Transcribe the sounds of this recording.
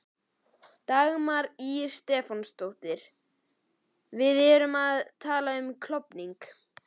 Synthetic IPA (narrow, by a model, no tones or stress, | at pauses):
t̪aɣmaɾiɾst̪ɛːfɔnst̪owht̪ɪɾ̥ | vɪðɛːɾʏmaðt̪ʰaːlaʏmkʰlɔpniŋk